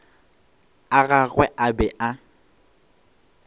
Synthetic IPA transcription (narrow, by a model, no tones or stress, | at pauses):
aɣaɣwɛʔabɛʔa